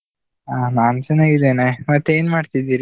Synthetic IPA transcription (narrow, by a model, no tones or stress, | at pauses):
aːnaːnt͡ʃɐnaɡid̪enemɐt̪ːeeːnmaːɖt̪id̪iːɾi